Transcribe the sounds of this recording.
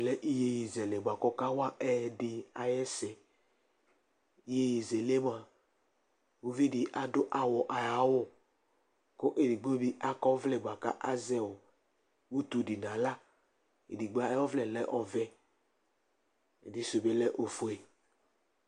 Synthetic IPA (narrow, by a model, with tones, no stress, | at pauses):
lɛ˦ʔi˦je˦ji˨zɛ˨le˨ba˨kɔ˦ka˦wa˦ʔɛ˦di˨a˨jɛ˦sɛ˨ | i˦je˦ji˨ze˨le˦m˦a˨ | o˦vi˦di˨ʔa˨dʊ˦ʔa˨wɔ˨ʔa˨ja˨˦wɔ˦ | ko˦ʔe˨di˨ɡ͡bo˦bi˦ʔa˦kɔ˦vlɛ˦˨ɡ͡bʷa˨ka̰˦ʔa˦zɛ˦wɔ˨ | wu˦t̪u˨di˨nã˨la˦ | ḛ˨di˨ɡ͡ba˦ɔ˦vlɛ˨lɛ˦ʔɔ˨vɛ˦ | e˨di˨so˨be˦lɛ˦ʔo˨fo˨e˨